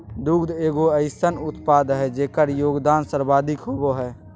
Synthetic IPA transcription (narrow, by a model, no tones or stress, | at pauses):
d̪uɡd̪eːɡoəɪsənʊt̪pad̪ɦɛd͡ʒeːkəɾjoːɡd̪aːnsəɾbaːd̪ɪkɦoboɦɛː